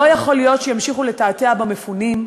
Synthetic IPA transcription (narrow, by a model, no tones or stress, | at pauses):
ojaχolijo̞t̪ʃejamʃiχule̞taːt̪eabamefunim